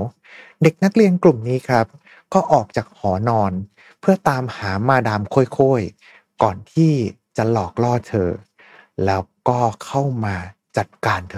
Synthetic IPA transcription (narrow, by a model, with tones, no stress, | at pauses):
de˨˩k̚na˦˥k̚li˧ənklu˨˩mniː˦˥kʰa˦˥p̚ | kɔː˥˩ʔɔː˨˩k̚t͡ɕaː˨˩k̚hɔː˩˦nɔː˧n | pʰɯ˥˩ɐt̪aː˧mhaː˩˦maː˧daː˧mkʰoː˥˩˨jkʰoː˥˩j | kɔː˨˩nt̪ʰiː˥˩ | t͡ɕa˨˩lɔː˨˩k̚lɔː˥˩t̪ʰɤː˧ | lɛː˦˥wkɔː˥˩kʰa˥˩wmaː˧ | t͡ɕa˨˩t̪̚kaː˧nt̪ʰː